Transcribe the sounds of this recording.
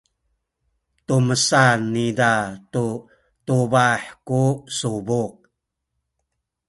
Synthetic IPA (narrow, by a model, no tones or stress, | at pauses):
tuməsanːidatu | tubaħkusubuk̚